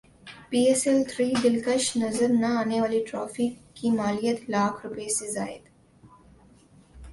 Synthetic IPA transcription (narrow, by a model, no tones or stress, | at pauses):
piːesɛlt̪ʰɾiːd̪ɪlkɐʃnɐzəɾnɐaːneʋaːliʈɾaːfikːimaːlijət̪laːkʰɾʊpeseza̰ːɪ̰d̪